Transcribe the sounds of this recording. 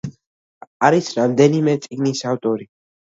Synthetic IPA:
aɾisɾamd̪ɛnimɛt̪sʼiɡnisaft̪ʼɔɾi

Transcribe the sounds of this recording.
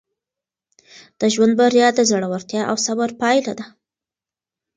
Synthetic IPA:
d̪̥əʒwand̪̚baɾjɑd̪əzaɽawaɾt̪jɑʔawsabaɾpɑjlad̪a

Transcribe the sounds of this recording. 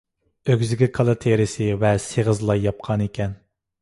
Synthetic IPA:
øɡʲzɪɡʲikʰɑlˠɨt̪ʰeɾɪsɪvɛseʁəzlˠɑjɑp̚qʰɑnekʲʰɛn

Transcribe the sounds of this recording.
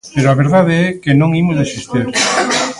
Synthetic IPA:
peɾoaβeɾðað̞eɛkenõŋimʊzðesist̪iɾ

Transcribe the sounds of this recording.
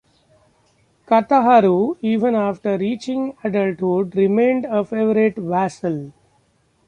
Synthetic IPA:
kɐt̪aɦaɾuiːʋə̃naːfʈəɾɾiːt͡ʃɪ̃ŋɡæɖəlʈhuɖɾɪmẽːɳɖəfeːʋəɾɪʈʋæsəl

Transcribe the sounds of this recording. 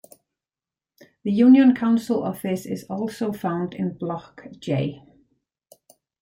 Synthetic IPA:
ðəjʉːnjə̃nkʰãʊ̃nsəlʔɒfɪsɪ̰zɔːˑlˠsoʊfãʊ̃ndɪ̰̃nblɒkʒ̥eɪ

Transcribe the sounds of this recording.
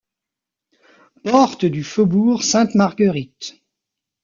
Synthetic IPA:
pɔʁt̪d̪yfobuʁsɛ̃t̪maʁɡəʁit̪

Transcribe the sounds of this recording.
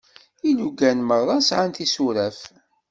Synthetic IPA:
iluɡænməɾˤɑsʕant̪isuɾæf

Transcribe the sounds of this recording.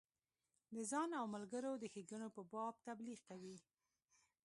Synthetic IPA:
d̪əzɑnawmalɡəɾod̪əxeɡənopəbɑb̚t̪abliɣkawi

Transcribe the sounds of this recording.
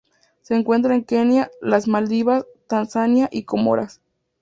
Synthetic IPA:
se̞ːŋkwe̞nt̪ɾaeŋkenjalazmald̪iβast̪ansanjaʔikomo̰ɾa̰s

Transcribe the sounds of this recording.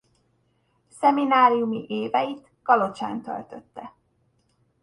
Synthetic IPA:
sɛminaːɾijumiʔeːvɛjit̪ | kɒlo̞t͡ʃa̰ːnt̪ø̰lt̪øt̪ːɛ

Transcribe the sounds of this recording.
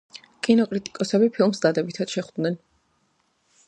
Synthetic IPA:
kʼinɔkʼɾit̪ʼi̥kʼɔsɛbipʰilˠmsd̪ad̪ɛbit̪ʰad̪̥ʃɛχwd̪nɛn

